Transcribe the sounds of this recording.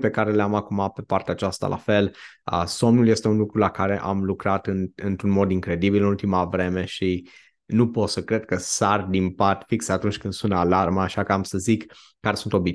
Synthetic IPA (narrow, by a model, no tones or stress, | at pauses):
pe̞kaɾe̞leamakumape̞part̪eaːt͡ʃast̪a̰lʔa̰fe̞lə̰so̞mnulje̞st̪e̞unlukɾulakaɾe̞ʔamlukɾat̪ɨnɨnt̪ɾunmo̞d̪iŋkɾe̞d̪ibilɨnult̪imavɾe̞me̞ʃi | nupo̞t̪səkɾe̞d̪̥̚kəsard̪impat̪fikseat̪unt͡ʃʲkɨnd̪sunalarməaʃakəamsəzikː | aɾesunt̪o̞bi